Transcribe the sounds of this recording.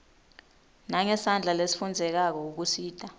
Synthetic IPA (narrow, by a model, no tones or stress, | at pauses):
naŋɛsand͡ɮʱalesi̥fund͡zʱɛk̬ak̬ɔuk̬usiːd̥ʼa